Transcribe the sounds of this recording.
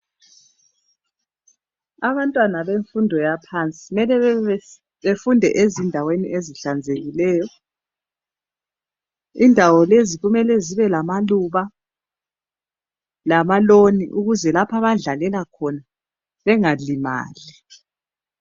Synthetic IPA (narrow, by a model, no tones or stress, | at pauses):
aβantʼwanaβeɱfundʱɔjapʰant͡sʼi̥mɛlɛβ | βefundʱɛʔezindʱawenḭʔeziɬand͡zʱeɣilɛːjɔ | indʱawɔleziɣumɛlɛziβɛlamaluβa | lamaloniʔuɣuzɛlapʰaβaɮalɛlakʰɔna | βɛŋalima̰ːli